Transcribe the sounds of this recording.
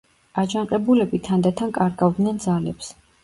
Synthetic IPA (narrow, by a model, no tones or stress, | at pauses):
ad͡ʒaɴqʼɛbulɛbit̪ʰand̪at̪ʰankʼaɾɡavd̪nɛnd̪zalɛps